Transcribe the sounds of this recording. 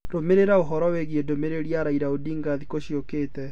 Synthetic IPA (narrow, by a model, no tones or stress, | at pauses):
ɾomeɾeɾaoɦɔɾɔweɣiedomeɾeɾiaɾaiɾaodiːŋɡaðikoɕiokeːtɛ